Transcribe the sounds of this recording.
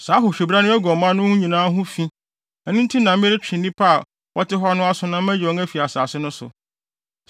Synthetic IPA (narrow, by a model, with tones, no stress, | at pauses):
saː˨˦ɦʊ˨ɕᶣe˨bɾa˦nʊ̃˦ɛ˦ɡɔ˨mã˦nʊ̃˦hũ˦ɲĩ˨nãː˦ɦʊ̃˦fĩ˦ | ɛ˨nʊ̃˦n̩˦tʰi˦nã˨m˦m˦ɪ˦ɾɪ˦t͡ɕᶣɪ̃˨nĩ˦pʰa˦˨ | wʔɔ˦tɪ˦ɦɔ˦nʊ̃˦a˦sʊ˨nã˦m˦æ̃˦d͡ʑɔ˨˦ŋ˦ɛ˦fi˨a˨saː˨sɪ˦nʊ̃˦sʊ̰˨